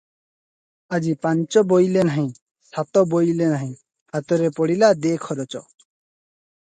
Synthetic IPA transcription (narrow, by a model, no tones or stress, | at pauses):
ad͡ʑipant͡ʃɔbojlenaɦĩ | sat̪ɔbojlenaɦĩ | hat̪ɔɾepɔɽilad̪ekʰɔɾɔt͡ʃɔ